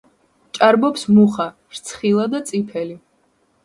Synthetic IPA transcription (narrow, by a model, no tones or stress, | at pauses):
t͡ʃʼaɾbɔpsmuχa | ɾt̪sʰχilˠad̪at̪sʼipʰɛli